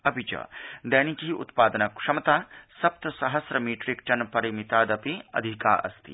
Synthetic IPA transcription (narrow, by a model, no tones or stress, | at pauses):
ɐbʱit͡ʃɐ̰d̪ɐːnikɦiʔṵt̪paːd̪ənɐkʂɐmt̪aːsɐp̚t̪sɐɦɐsɾɐmiːʈɾikʈɐnpɐɾimit̪aːd̪ɐpiɐ̰d̪ʱika̰ːʔɐ̰st̪ḭ